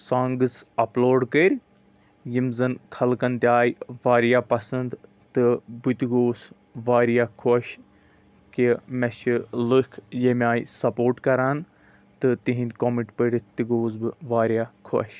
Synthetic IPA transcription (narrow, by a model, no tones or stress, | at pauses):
saːŋɡɨsɐploːɖkəɾʲ | jimzɐnkʰɐlkɐnt̪iaːjʋaːɾijaːpɐsɨnd̪ | t̪ɨbut̪iɡoːs | ʋaːɾjakʰoʃ | kimɐʃilɨkʰjemʲaːjsɐpoːɾʈkɐɾaːn | t̪ɨt̪iɦĩnd̪ʲkomiʈpəɽit̪iɡoːs̬bɨʋaːɾjakʰo̰ʃ